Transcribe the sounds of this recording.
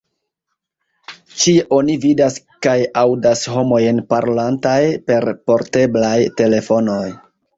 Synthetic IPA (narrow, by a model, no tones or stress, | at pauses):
t͡ʃiʔo̞nividas | kajawdasɦo̞mo̞jnpaɾolantajpe̞ɾpo̞ɾte̞blajte̞le̞fo̞no̞j